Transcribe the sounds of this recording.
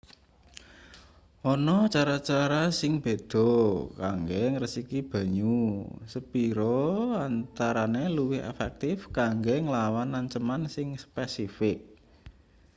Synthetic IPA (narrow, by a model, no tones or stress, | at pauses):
ʔɔnɔt͡ʃaɾat͡ʃaɾasɪŋb̥e̤d̪̥ɔ̤kaŋɡeŋɾəsikib̥ä̤ɲusəpiɾɔant̪aɾaneluwɪhɛ̰fɛk̚t̪ɪfkaŋɡeŋlawanːaɲt͡ʃəmansɪŋspɛsifɪk̚